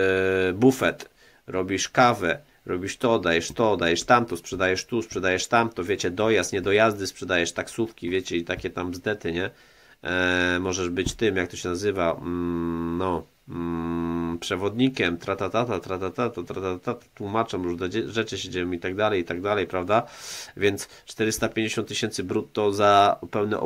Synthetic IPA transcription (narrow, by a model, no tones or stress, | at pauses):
bufɛt̪ | ɾʔɔbʲiʂkavɛ | ɾɔbʲiʂt̪ɔd̪ajɛʂt̪ɔd̪ajɛʂt̪amt̪ɔspʂɛd̪ajɛʂt̪uspʂɛd̪ajɛʂt̪amt̪ɔvʲjet͡ɕɛd̪ɔjast̪ɲɛd̪ɔjazd̪ɘspʂɛd̪ajɛʂt̪aksufkʲivʲjet͡ɕɛit̪akʲɛt̪amzd̪ɛt̪ɘɲɛ | mɔʐɛʐbɘt͡ɕt̪ɘmjak̚t̪ɔɕɛnazɘva | nɔ | pʂɛvɔd̪ɲikʲɛmt̪ɾat̪at̪at̪at̪ɾat̪at̪at̪ɔt̪ɾat̪at̪t̪at̪ḁt̪wumat͡ʂamɾuʐd̪ɛɛʐɛt͡ʂɘɕed͡ʑejɔ̃mit̪aɡ̚d̪alɛjit̪aɡ̚d̪alɛjpɾavd̪avʲjɛnt̪st͡ʂt̪ɛɾɘst̪apʲjeɲd͡ʑeɕɔnt̪ːɨɕɛnt̪sɘbɾut̪ːɔzapɛwnɛ̰ʔ